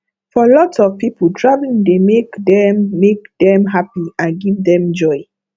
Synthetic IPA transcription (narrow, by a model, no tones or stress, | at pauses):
fɔlɔtsɔvpipudɹavlĩndemekdɛmːekdɛ̃mɦapiãnɡivdɛ̃md͡ʒɔɪ